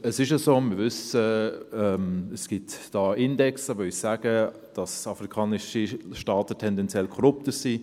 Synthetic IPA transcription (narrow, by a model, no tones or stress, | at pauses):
əsɪʃəsoːmɪvʏsəɛməsɡ̥ɪtd̥ɑːɪndɛksd̥ɑʋølsaːɡ̥ə | d̥ɑsɑfrikʰɑːnɪʃiʃtɑːtətʰɛndɛnt͡sɛlkʰɔɾʊp̚təɾsi